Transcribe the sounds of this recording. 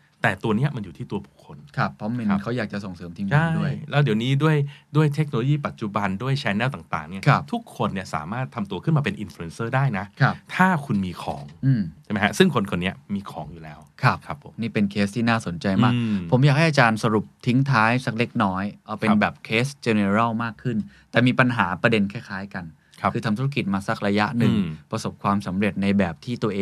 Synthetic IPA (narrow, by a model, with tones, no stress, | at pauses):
t̪ɛː˨˩t̪u˧ɐni˦˥ɐʔma˧nju˨˩t̪ʰiː˥˩t̪u˧ɐbu˨˩kʰːo˧nkʰa˦˥˩pʰɾɔ˦˥me˧˦˥nkʰa˦˥wjaː˨˩k̚t͡ɕa˨˩so˨˩ŋsɤː˩˦mt̪ʰi˦ŋt͡ɕʰːa˥˩du˥˩əjlɛː˦˥wdi˨˩˦wniː˦˥du˥˩əjdu˥˩əjt̪ʰe˦˥k̚no˧lo˧jiː˥˩pa˨˩t̪̚t͡ɕu˨˩ba˧ndu˥˩əjt͡ɕʰɛː˧˥nːɛː˥˩wt̪aː˨˩ŋt̪a̰ː˨˩ŋni˥˩ɐkʰa˦˥t̪ʰu˦˥kʰːo˧nːi˥˩ɐsa̰ː˩˦maː˥˩t̪ʰːa˧mt̪u˧ɐkʰɯ˥˩nmaː˧pe˧nʔi˧nflu˧e˧nsɤː˥˩daː˥˩jna˦˥kʰa˦˥˩pt̪ʰaː˥˩kʰu˧nmiː˧kʰɔ̰ː˩˦ŋʔɯː˧˩mʰa˥˩ma˦ha˦˥sɯ˥˩ŋkʰo˧nkʰo˧nːi˦˥ɐmiː˧kʰɔ̰ː˩˦ŋjuː˨˩lɛː˦˥wkʰa˦˥˩p̚ʰa˦˧p̚ʰo˩˦niː˥˩pe˧nkʰeː˦˥st̪ʰiː˥naː˥˩so˨˩˦nt͡ɕa˧jmaː˥˩pʰo˩˦mja˨˩k̚ha˥˩jʔa˧t͡ɕaː˧nsa˧ɾu˨˩p̚t̪ʰi˦˥ŋt̪ʰaː˦˥jsa˨˩k̚le˦˥k̚nɔː˦˥jʔɔː˧˩pe˧nbɛː˨˩p̚kʰeː˦˥st͡ɕe˧ne˧ɾa˥˩wmaː˥˩kʰːɯ˥˩nt̪ɛː˨˩miː˧pa˧nɦaː˩˦pɾa˧de˧nkʰɛː˥˩kʰaː˦˥jka˧n | kʰɯː˧a˧mt̪ʰu˦˥ɾa˥k̬i˨˩t̪̚maː˧sa˨˩k̚ɾa˧ja˦˥ʔnɯ˨˩ŋpɾa˧so˨˩p̚kʰwaː˧msa˩˦mɾe˨˩ət̪̚na˧jbɛː˨˩p̚t̪ʰiː˥˩t̪u˧ɐʔeː˧